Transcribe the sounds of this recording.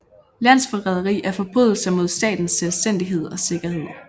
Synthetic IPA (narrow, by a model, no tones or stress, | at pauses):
læn̰sfɒʁɛð̞ˠɐʁḭːʔæɐfɒ̽b̥ʁyːðˠl̩sɐmo̝ð̞̰ˠsd̥ɛ̰ːd̥n̩sːelsd̥en̰d̥iɦe̝ð̞̰ˠɒ̽se̝ɡ̥ɐhe̝ð̰ˠ